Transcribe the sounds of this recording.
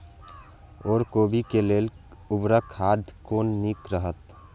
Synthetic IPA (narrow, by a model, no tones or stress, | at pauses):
ɔːɾkoːbʱikeleːl | ʊbɾəkʰːaːd̪ʱkoːnːikɾəɦət̪